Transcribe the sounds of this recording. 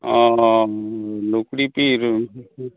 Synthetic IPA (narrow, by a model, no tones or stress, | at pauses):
a | lukɽipiɾɯ